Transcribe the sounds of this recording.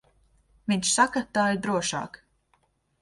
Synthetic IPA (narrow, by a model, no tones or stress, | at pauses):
vʲiɲʲʃsakat̪aːiɾd̪ɾuɔʃɑ̰ːk